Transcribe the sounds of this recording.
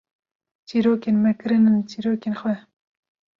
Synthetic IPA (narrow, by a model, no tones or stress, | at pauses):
t͡ʃiːɾoːkenmɛkɨɾɨnɨnt͡ʃiːɾoːkeːnxwɛ